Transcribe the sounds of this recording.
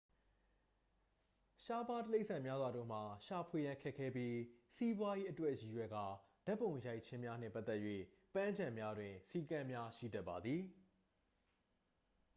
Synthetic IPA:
ʃa˦pa˦təle˦ɪʔsʰã˨mja˦zwa˨dõ̰˦˨m̥a˨ʃa˨pʰwe˨jã˦ŋkʰɛ˦kʰːɛ˦pji˦si˦bwa˦ji˦ʔətwɛ˦ʔji˨jwɛ˨ɡa˦˨ | d̥a˦pːõ˨ʊ̃ja˦ɪʔt͡ɕʰɪ̃˦mja˦n̥ɪ̰̃˦˨pa˦t̪ɛ˦ʔjwḛ˦˨ | pã˦ɲd͡ʑã˨mja˦dwɪ̃˨si˦˨kã˦mja˦ʃḭ˦˨dɛ˦ʔpːa˨d̪ði˨

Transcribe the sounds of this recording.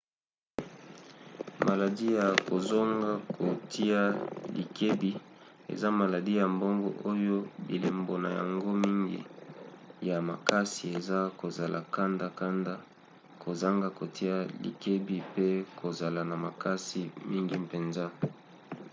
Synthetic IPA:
ma˨la˨di˦ja˨ko˨zo˦ŋɡa˦kʰo˨ti˦a˦lḭ˨ke˦bi˦ | ḛ˨za˦ma˨la˨di˦ja˨mbo˦ŋɡɔ̰˦˨ʔo˦jo˦bḭ˨le˨mbo˨na̰˨ja̰˨ŋɡo˦mi˦ŋɡḭ˦ | ja˨ma̰˨ka˦si˨e˨za˦ko˨za˨la̰˨ka˦nda˨ka˦nda˦ | ko˨za˦ŋɡa˦ko˨ti˦a˦lḭ˨ke˦bi˦pe˦kʰo˨za˨la˨na˨ma˨ka˦si˨mi˦ŋɡi˦pe˨nza˦

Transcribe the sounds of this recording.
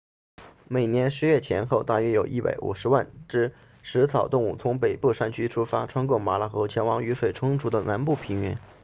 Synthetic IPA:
me˨˩ɪnjɛ˧˥nʂɻ̩˧˥ɥɛ˥˩t͡ɕʰjɛ̰˧˥nxo˥˧ʊt̪a˥˩ɥɛ˥jo˨˩ʊʔi˥˩pa̰˧˥ɪʔṵ˨˩ʂɻ̩˧˥wa˥˩nʈ͡ʂɻ̩˥ | ʂɻ̩˧˥t͡sʰɑ˨˩ʊt̪ʊ˥˧ŋu˥˩t͡sʰʊ˧˥ŋpe˨˩ɪpu˥˧ʂa˥˩nt͡ɕʰy˥ʈ͡ʂʰu˥fa˥ʈ͡ʂʰwa˥nkʊ˥˩ma˧˥la˧˩xɤ˧˥t͡ɕʰjɛ˧˥nwɑ˧˥ŋy˧˥ʂwe˨˩ɪʈ͡ʂʰʊ˥ŋʈ͡ʂʰu˧˥d̪ə˧na˧˥npu˥˩pʰi˧˥ŋɥɛ̰˧˥n

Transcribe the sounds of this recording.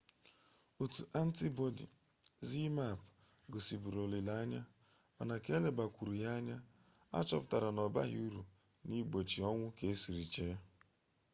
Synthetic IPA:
u˨tu˨ʔa˦n̩˦ti˦bo˦dḭ˨ | zi˦ma˦˨p | ɡʊ˨si˨bu˨ɾo˨li˨la˨˦ɲa˦ | ɔ̰˨na˨ke˦le˨ba˨kʷu˨ɾu˨ja˦ɲa˦ | a̰˦t͡ʃɔ˦pʊ˦ta˨ɾa˨nɔ˨ba̰˦ɦi˦u˦ɾu˨ | ni˦ɡ͡bo˨t͡ʃi˨ɔ˦ŋʷʊ˦ke˨e˦si˨ɾi˨t͡ʃe˦

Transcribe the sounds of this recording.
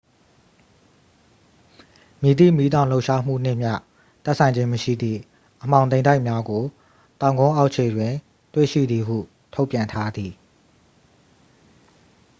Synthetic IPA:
mji˨t̪ḭ˦˨mi˦t̪ã˦˨ʊ̃lo˦ʊʔʃa˦m̥ṵ˦˨n̥ɪ˦ʔm̥ja̰˦˨ | t̪ɛ˦ʔsʰã˨ɪ̃ɲd͡ʑɪ̃˦məʃḭ˦˨d̪ðḭ˦˨ | ʔəm̥ã˨ʊ̃ẽ˨ɪ̃nda˦ɪʔmja˦ɡo˨ | t̪ã˨ʊ̃ŋɡõ˦ʔa˦ʊʔt͡ɕʰe˨dwɪ̃˨ | twḛ˦˨ʃḭ˦˨d̪ði˨ɦṵ˦˨ | tʰo˦ʊpjã˨ntʰa˦d̪i˨

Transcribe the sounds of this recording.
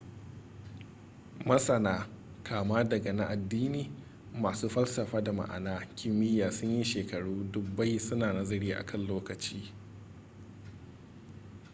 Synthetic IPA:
mɐ˦sɐ˨naː˦ | kʰaː˨maː˦dɐ˨ɡɐ˨na˦ʔa˨dːiː˦niː˨ | maː˨suː˦ɸɐ˦lsɐ˨ɸaː˦da˨ma̰˨ʔa̰˨naː˦kʲʰɪ˦mːɪ˦jːaː˨sʊ˦ɲji˦ʃeː˨kɐ˨ɽuː˦dʊ˦k̚ba˦jsʊ˦naː˨nɐ˦zɐ˦ɽiː˦ʔa̰˨kʰɐ˦˨nloː˦kɐ˨t͡ʃiː˦

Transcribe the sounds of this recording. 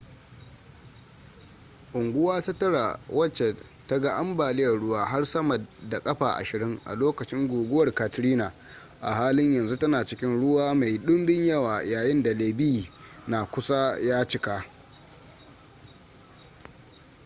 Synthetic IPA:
ʔʊ˨ŋɡʷʊ˦waː˦ta˦tɐ˦ɽa˨wɐ˦t͡ʃːe˨ | tɐ˦ɡa˦˨ʔa˦mbaː˨lɪ˦jɐ˨rɽʊ˦waː˦ɦa˦rsɐ˦mɐ˨da˨kʼɐ˦ɸaː˨ʔa̰˨ʃɪ˨ɾɪ˦ŋʔa̰˨loː˦kɐ˨t͡ʃɪ˦ŋɡʷoː˨ɡʷʊ˦wɐ˨rka˨tɾiː˦naː˨ | ʔa̰˨ɦaː˦lɪ˦ɲjɐ˨nzu˦tɐ˦naː˨t͡ʃɪ˦kʲɪ˦nɽʊ˦waː˦ma˨jɗʊ˦mbɪ˦ɲjɐ˦waː˨jaː˨jɪ˦nda˨leː˨bi˦i˨naː˨kʷʊ˦sa˦jaː˦t͡ʃɪ˦ka˦

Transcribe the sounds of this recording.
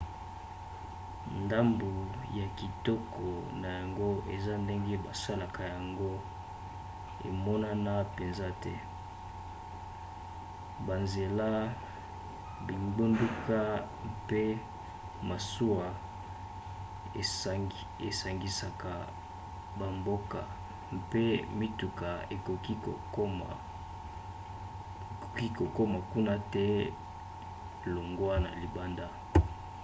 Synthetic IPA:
nda˦mbu˨ja˨ki˨tɔ˦kʰɔ˨na˨ja˨ŋɡo˦ḛ˨za˦nde˦ŋɡe˦ba˨sa˦la˨kʰa˨ja˨ŋɡo˦ | ḛ˨mɔ˦na˦na˦pe˨nza˦tɛ̰˦ | ba˨nze˨la˦ | bi˨mbu˦ndu˦ka˦ | mpe˦ | ma˨su˦a˨ | e˨sa˨ŋɡi˨sa˨ka˨ | ba˨mbo˦ka̰˨ | mpe˦mi˦tu˨ka˨e˨ko˨ki˦ko˨˦ | o˨ki˦ko˨ko˦ma˨ku˦na˦tɛ˦ | lo˨ŋɡwa˦na̰˨li˨ba˦nda˦

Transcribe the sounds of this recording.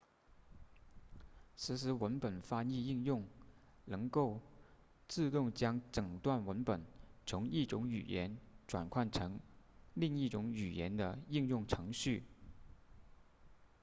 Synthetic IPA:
sɹ̩˧˥ʂɻ̩˧˥wə˧˥npə˨˩nfa˥ni˥˧i˥˧ŋjʊ˥˩ŋ | nɤ˧˥ŋko˥˧ʊ | t͡sɹ̩˥˧t̪ʊ˥˩ŋt͡ɕjɑ˥ŋʈ͡ʂɤ˨˩ŋt̪wa˥˩nwə˧˥npə˨˩nt͡sʰʊ˧˥ŋi˥˩ʈ͡ʂʊ˧˥ŋy̰˨˩jɛ̰˧˥nʈ͡ʂwa̰˨˩nkʰwa˥˩nʈ͡ʂʰɤ˧˥ŋli˥˧ŋi˥˩ʈ͡ʂʊ˧˥ŋy˨˩jɛ̰˧˥nd̪ə˧i˥˧ŋjʊ˥˩ŋʈ͡ʂʰɤ˧˥ŋɕy˥˩

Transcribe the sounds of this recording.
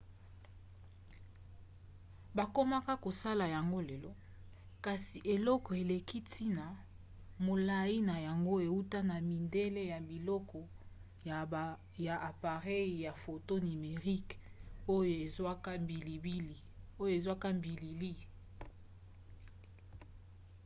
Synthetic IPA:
ba˨ko˦ma˦ka˦ko˨sa˦la˨ja˨ŋɡo˦le˨lɔ˦ | ka˨si˨ʔe˨lɔ˦kɔ˨e˨le˨ki˦tʰi˦na˨ | mo˨la˨ji˦na˨ja˨ŋɡo˦e˨u˦ta˦na˨mi˨nde˦le˦ja˨bi˨lɔ˦kɔ˨ | ja˨a˨pa˨ʁɛ˦˨ja˨fo˨to˦ni˨me˨ʁi˦ko˦jo˦˨e˨zwa˦ka˦mbi˨li˨bi˦˨o˦jo˦e˨zwa˦ka˦mbi˨li˨li˦

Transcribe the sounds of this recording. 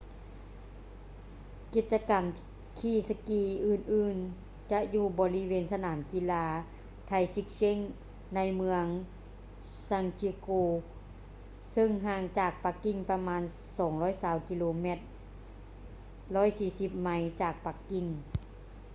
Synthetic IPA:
ki˧˩t̪̚t͡ɕa˧ka˨˩m | kʰiː˧˩sa˧kiː˧˩ʔɯː˧˩nʔɯː˧˩n | t͡ɕa˧ʔjuː˧˩bɔː˨˦li˧˥weː˨˧˨nsa˧naː˩˦mki˧˨laː˧ | t̪ʰa˧jsi˧˥k̚se˧˥˨ŋ | na˧jmɯ˧əŋ | sa˧ŋt͡ɕi˧koː˧ | sɤ˧ŋɦaː˧˩ŋt͡ɕaː˨˩k̚pa˧˦kːi˧˩ŋpa˧maː˧˥˨n | sɔː˨˦ŋlɔː˧˥˨jsaː˧˩wki˧loː˧me˧˩t̪̚ | lɔː˧˥˨jsiː˧˩si˧˩p̚ma˧˥jt͡ɕaː˨˩k̚pa˧˦kːi˧˩ŋ

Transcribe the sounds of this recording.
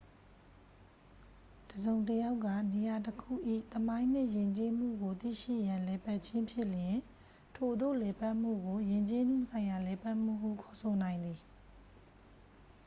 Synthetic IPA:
d̥əzõ˨ʊ̃ntəja˦ʊkːä̰˦˨ne˨ja˨təkʰṵ˦˨ʔḭ˦˨t̪əmã˦ɪ̃n̥ɪ̰̃˦˨jɪ̃˨ɲt͡ɕe˦m̥ṵ˦˨ɡo˨t̪ḭ˦˨ʃḭ˦˨jã˨lɛ˨pa˦ʔt͡ɕʰɪ̃˦mpʰjɪ˦˨ljɪ̃˨ | tʰo˨d̪o̰˦˨lɛ˨pa˦ʔm̥ṵ˦˨ɡo˨jɪ̃˨ɲt͡ɕe˦nṵ̃˦˨sʰã˨ɪ̃ja˨lɛ˨pa˦ʔm̥ṵ˦˨ɦṵ˦˨kʰɔ˨sʰo˨nã˨ɪ̃nd̪i˨

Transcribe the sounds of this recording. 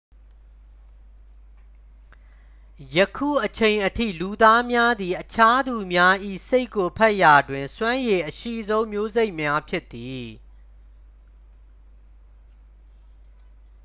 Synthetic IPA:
jəkʰṵ˦˨ʔət͡ɕʰẽ˨ɪ̃ʔətʰḭ˦˨lu˨d̪a˦mja˦d̪i˨ʔət͡ɕʰa˦d̪u˨mja˦ʔḭ˦˨se˦ɪkːo˨pʰɛ˦ʔja˨dwɪ̃˨nswã˦je˨ʔəʃḭ˦˨zõ˦ʊ̃mjo˦ze˦ɪʔmja˦pʰjɪ˦ʔt̪ːi˨

